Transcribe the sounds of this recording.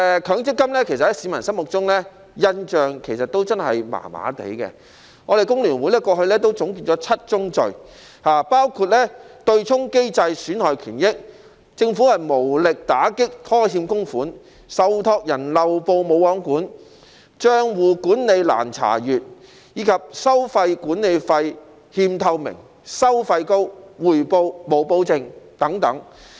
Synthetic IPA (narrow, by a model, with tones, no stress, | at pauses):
ɛ˨kʰœː˨˧˥ŋt͡sɪ˥kːɐ˥mlɛː˥kʰe˨˩sɐ˨˩hɛ˥siː˨˧mɐ˨˩nsɐ˥nmʊ˨k̚t͡sʊ˥ŋlɛː˥ | jɐ˥nt͡ʃœː˨˧ŋkʰe˨˩jsɐ˨t̚t̪o˥wt͡sɐ˥nhɐ˨jma̰ː˨˩ma̰ː˨˥t̪ḛ˨˥jkɛ̰ː˧ | ŋɔː˨˧ɾe˨jkʊ˥ŋlyː˨˩nwu˨˧˥jlɛː˧˥kʷɔː˧hɵ˧lɛː˥t̪̬o˥wt͡sʊ˨˥ŋkiː˧t̚t͡sɔː˨˥t͡sʰɐ˥t̚t͡ʃʊ˥ŋt͡sɵ˨ɥ | haː˨paː˥wkʰuː˧t̚lɛː˥t̪ɵ˧ɥt͡sʰʊ˥ŋke˥jt͡sɐ˧jsyː˨˥nhɔː˨jkʰyː˨˩njɪ˥k̚ | t͡sɪ˧ŋfu˨˥hɐ˨jmo˨˩wlɪ˨k̚t̪aː˨˥kɪ˥k̚t̪ʰɔː˥ɦiː˧mkʊ˥ŋfuː˨˥n | sɐ˨˧wt̪ʰɔː˧k̚jɐ˨˩nlɐ˨wpo˧wmo˨˧wɔː˨˥ŋkuː˨˥n | t͡ʃœː˥ŋwuː˨˩kuː˨˥nle˨˧jla̰ː˨˩nt͡sʰa̰ː˨˩jyː˨˩t̚ | jiː˨˥kʰɐ˨p̚sɐ˥wfɐ˧jkuː˨˥nne˨˧jfɐ˧j | hiː˧mt̪ʰɐ˧wmɪ̰˨˩ŋ | sɐ˥wfɐ˧jko˥wwuː˨˩jpo˧wmo˨˩wpo˧wt͡sɪ˧ŋt̪ɐ˨˥ŋt̪ɐ˨˥ŋ